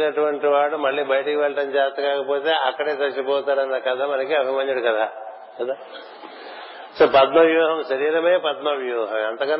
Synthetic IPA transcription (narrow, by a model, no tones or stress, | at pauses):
nɐʈuʋɐɳʈiʋaːɽumɐɭːibɐjʈikiʋelʈɐnt͡ʃaːst̪ɐkaːkɐpoːt̪eaːkːɐɽeːt̪ɐt͡ʃipoːt̪aːɾɐnːɐkɐd̪ʰʱamɐnɐkiɐbʱimɐɲd͡ʒɐɽukɐt̪ʰaː | kɐd̪a | sɐpɐd̪nɐʋjoːɦɐmʃɐɾiːɾɐmeːpɐd̪nɐʋjoːɦɐmɐnt̪ɐkaː